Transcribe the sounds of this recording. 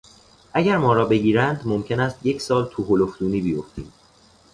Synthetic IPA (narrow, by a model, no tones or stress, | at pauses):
ʔæɟæɾmɒːɾɒːbe̞ɟiːɾænd̪mo̞mcʰe̞næːst̪je̞cʰsɒːlt̪ʰuɦolofd̪uːniːbijoft̪iːm